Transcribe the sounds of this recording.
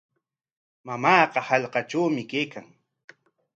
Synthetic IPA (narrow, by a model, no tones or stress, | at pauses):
mamɑːqɑhɑʎqɑʈ͡ʂawmɪkejkaŋ